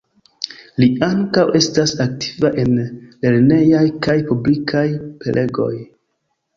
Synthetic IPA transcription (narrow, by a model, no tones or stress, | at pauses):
liaŋkawʔe̞stasak̚tʰi̥vaʔe̞nle̞ɾne̞jajkajpublikʰajpe̞̰lʔe̞ɡo̞̰j